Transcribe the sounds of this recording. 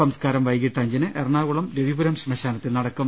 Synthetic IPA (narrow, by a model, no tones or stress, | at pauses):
ɐmskaːɾɐmʋɐjɡiʈːɐɲd͡ʑinɨʔerɳaːɣuɭɐmɾeʋibuɾɐmɕimɐɕaːnɐt̪ːilnɐɽɐkːum